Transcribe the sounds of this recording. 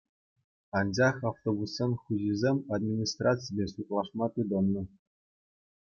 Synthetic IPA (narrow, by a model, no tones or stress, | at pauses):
ɑnd͡ʑɑχɑft̪obusːɤ̆nχuʑizʲemʲad̪mʲinʲist̪rat͡sɨjbʲesut̪lˠɑʂmɑt̪ɯd̪ɤ̆nːɤ̆